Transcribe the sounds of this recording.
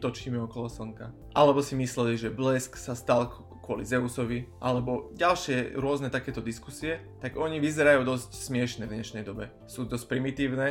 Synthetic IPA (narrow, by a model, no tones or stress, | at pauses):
t̪ɔt͡ʃɲimɛɔkɔlɔsɔŋka | ʔalɛbɔsimislɛliʒɛblɛsksast̪al | kʊɔlizɛusɔʋiʔalɛbɔɟalʃɪɛɾʊɔznɛt̪akɛːt̪ɔd̪iskusiɛ | t̪aɡɔɲiʋizɛɾajuːd̪ɔscsmɪɛʃnɛvd̪ɲɛʃnɛjd̪ɔbɛ̰ | suːd̪ɔsc̚ʲpɾimit̪iːʊnɛ